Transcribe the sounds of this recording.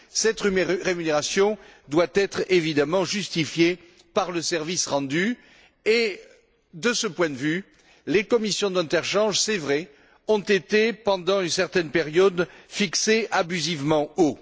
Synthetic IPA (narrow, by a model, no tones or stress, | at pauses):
sɛt̪ʁyʁemyneʁasjɔ̃d̪wat̪ɛt̪χevid̪amɑ̃ʒyst̪ifje | paʁləsɛʁvisʁɑ̃d̪y | e | d̪əsəpwɛ̃d̪əvy | lekɔmisjɔ̃d̪ɛ̃t̪ɛʁʃɑ̃ʒsɛvʁɛ | ɔ̃t̪et̪epɑ̃d̪ɑ̃ynsɛʁt̪ɛnpeʁjɔd̪fikseʔabyzivmɑ̃o